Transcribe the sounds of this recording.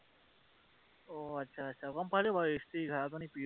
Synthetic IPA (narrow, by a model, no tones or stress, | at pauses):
oʌtːsʰaːtːsʰakʌmpalobʱʌjoest̪ʌjɡʱʌɾap̬ʌnipi